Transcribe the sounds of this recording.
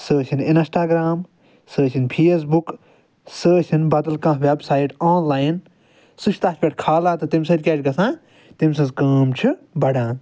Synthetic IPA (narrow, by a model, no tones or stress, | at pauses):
səːt͡ʃʰininsʈaːɡɾaːm | səːʃʰinpʰeːs̬buk | səːʃʰinbɐd̪ɐlkãːʋebsaːiʈoːnlaːjn | suʃʰt̪aːt͡ʃʰpʲeʈʰkʰaːlãːt̪ɨt̪imʲsɐʈʲkʲeːʈʲɡɐsãː | t̪ims̬ɨ̃zkɐːmt͡ʃʰubɐɽãːn